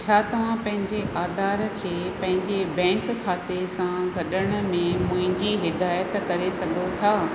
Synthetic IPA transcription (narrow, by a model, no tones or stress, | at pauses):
t͡ɕʰaːt̪ɐʋ̤ãpɐ̃ɦɪ̃ɲd͡ʑeʔaːd̪ʱaːɾkʰeːpɐ̃ɦɪ̃ɲd͡ʑebɛ̃ːŋkkʰːaːt̪esãɡɐɗəɽ̃ə̆mẽmʊ̃ɦɪ̃ɲd͡ʑiɦɪd̪aːjət̪kɐɾesɐɡʱot̪ʰaː